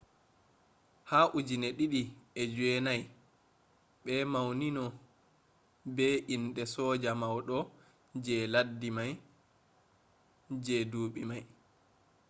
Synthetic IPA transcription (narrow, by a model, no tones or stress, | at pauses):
haːʔud͡ʒinɛɗiɗiɛd͡ʒɛnaj | ɓɛmawninɔ | bɛʔinɗɛsɔd͡ʒamawɗɔ | d͡ʒɛladːimaj | d͡ʒɛduːɓimaj